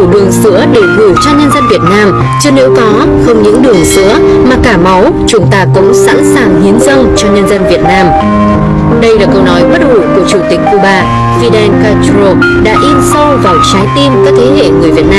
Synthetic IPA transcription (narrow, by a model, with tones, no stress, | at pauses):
u˧˩ɗɨ˨˩əŋsɨ̰˧˥əɗe˧˩ɣɨ˧˩t͡ɕɔ˧ɲə˧nzə˧nvi˨˩ət̚naː˧m | t͡ɕɨ˧ne˨˦wkɔ˨˦ | xə˧wŋ͡mɲɨ̰˧˥ŋɗɨ˨˩əŋsɨ̰˧˥ə | maː˨˩kaː˧˩ma˨˦w | t͡ɕʊ˨˦ŋ͡mt̪aː˧kʊ̰˧˥ŋ͡msa̰˧˥nsaː˨˩ŋhi˨˦ənzə˧nt͡ɕɔ˧ɲə˧nzə˧nvi˨˩ət̚naː˧m | ɗə˧jlaː˨˩kɔ˧wnɔ˨˦jɓə˦˥t̚hṵ˧˩ku˧˩ət͡ɕu˧˩wt̪ï˨˩k̟ku˧˩ɓaː˧˩ | fi˧ɗɛ˧nkaː˧t͡ɕɾo˧ | ɗa̰ː˧˥ʔi˧nsə˧wvaː˨˩wt͡ɕaː˨˦jt̪i˧nkaː˨˦˥k̚t̪ʰe˨˦ɦḛ˧˨ŋɨ˨˩əjvi˨˩ət̚naː˧